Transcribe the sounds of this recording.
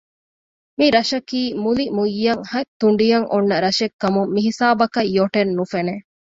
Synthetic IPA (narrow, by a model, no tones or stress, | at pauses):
miɾɐʃɐkiːmulimujːɐŋhɐt̪ːuɳɖijɐŋʔonːɐɾɐʃekːɐmumːiɦisaːbɐkɐjːoʈenːufene